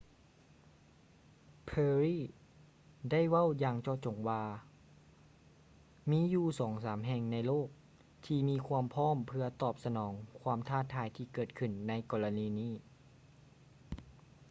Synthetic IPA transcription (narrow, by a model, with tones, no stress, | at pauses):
pʰɤː˧ɾiː˥˩ | da˥˩˨jwa˥˩˨wjaː˧ŋt͡ɕɔː˧t͡ɕo˨˩˦ŋwaː˧ | miː˧˥˨juː˧˩sɔː˩˦ŋsaː˩˦mɦɛ˧˩ŋna˧jloː˥˩k̚ | t̪ʰiː˧miː˧˥kʰwu˧əmpʰɔː˥˨mpʰɯ˧ɐt̪ɔː˨˩p̚sa˧nɔː˩˦ŋkʰwaː˧˥mt̪ʰaː˥˩t̪ʰːaː˨˦jt̪ʰiː˧kɤː˨˩t̪̚kʰɯ˨˩nːa˧˥jkɔː˧la˧niː˧˥niː˥˩